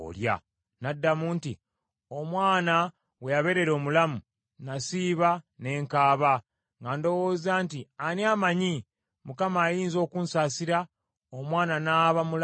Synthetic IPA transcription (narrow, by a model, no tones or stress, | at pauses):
o̰lja̰ | nadːamuːnti | o̞mwaːna | we̞jaβe̞ɾe̞ɾo̞ːmulamu | nasiːβane̞ːŋkaːβa | ŋɡando̞woːzaːntianiaːmaɲi | mukamaːjiːnzo̞ːkuːnsaːsiɾa | omwaːnanaːβamul